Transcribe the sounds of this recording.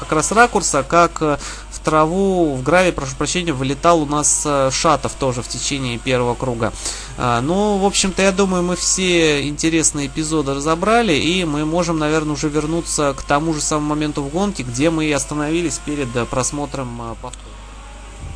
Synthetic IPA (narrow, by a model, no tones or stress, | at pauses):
kɐkɾasrakʊrsəkak | ft̪ɾɐvuvɡɾavʲɪpɾɐʂupɾɐɕːenʲɪjvlʲɪt̪alˠʊnasʂat̪əft̪o̞ʐɨftʲɪt͡ɕenʲɪːpʲe̞rvəvəkɾuɡə̰ | ənuvo̞pɕːɪmt̪əjad̪uməjʊmɨfsʲeɪnʲtʲɪɾʲesnɨjəɪpʲɪzo̞d̪ɨrəzɐbɾalʲɪʔimɨmo̞ʐɨmnɐvʲe̞rnəʊʐɛvʲɪrnut̪səkt̪ɐmuʐɨsaməmumɐmʲe̞nt̪ʊvɡo̞nkʲɪɡdʲe̞mɨɐst̪ənɐvʲilʲɪsʲpʲeɾʲɪd̪pɾɐsmo̞t̪ɾəmpɐft̪oɾ